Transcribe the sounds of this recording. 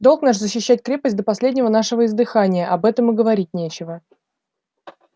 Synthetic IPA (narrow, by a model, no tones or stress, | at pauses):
d̪o̞lˠknaʂzəɕːɪɕːætʲkɾʲe̞pəsʲt̚ʲd̪əpɐsʲlʲedʲnʲɪvənaʂɨvəɪzd̪ɨxanʲɪjəʔɐbɛt̪əmɨɡəvɐɾʲit̚ʲnʲet͡ɕɪvə